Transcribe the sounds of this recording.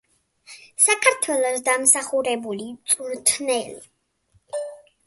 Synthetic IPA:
sakʰaɾt̪ʰwɛlˠɔsd̪amsaχuɾɛbulit̪sʼuɾt̪ʰnɛli

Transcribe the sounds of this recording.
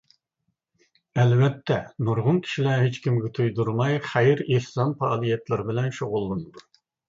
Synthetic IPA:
ɛlvɛt̪ːɛnuɾʁʊnkʲʰi̥ʃilɛɦet͡ʃkʲimɡʲɛt̪ʰujd̪uɾmɑjχæjɪɾehsɑnfɑːlˠijɛt̪lˠɪɾbɪlɛnʃoʁʊlˠːɨnɨd̪u

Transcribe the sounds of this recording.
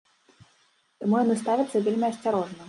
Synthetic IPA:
t̪amujanɨst̪avʲɐt̪sːɐvʲelʲmʲiɐsʲt͡sʲaɾɔʐnɐ

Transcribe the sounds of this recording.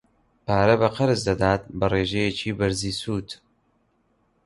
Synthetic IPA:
paːɾɐbɐqɐɾɨzd̪ɐd̪aːt̪̚bɐreːʒɛjet͡ʃiːbɐɾziːsuːt̪

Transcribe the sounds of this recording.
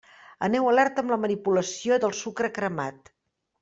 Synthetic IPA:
ə̰nɛwəlɛrt̪əmləmənipuləsioðəlˠsukɾəkɾəma̰t̪

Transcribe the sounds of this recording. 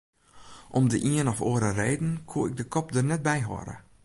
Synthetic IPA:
ʔɔmdəʔiənɔfoːəɾəreːdn̩kʰuəɪɡ̚dəkɔpdərnɛt̚bɛjɦɔ̰ɾə̰

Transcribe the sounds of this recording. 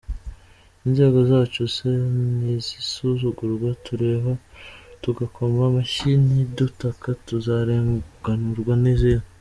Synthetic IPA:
inze̞ːɡo̞zaːt͡ʃosenizisuzuɡuɾɡwatuɾe̞ːβatuɡakʰomɡamaʃinidutakatuzaɾeːŋɡ̥anuɾɡwanizinu

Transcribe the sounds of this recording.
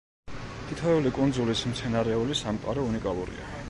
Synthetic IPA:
t̪ʰit̪ʰavɛulikʼunzulismt̪sʰɛnaɾɛulisamqʼaɾɔunikʼalˠṵɾḭa̰

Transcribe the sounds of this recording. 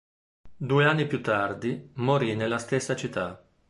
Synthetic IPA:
d̪uːeanːipjut̪ːard̪imoɾinelːast̪esːat͡ʃit̪ːa

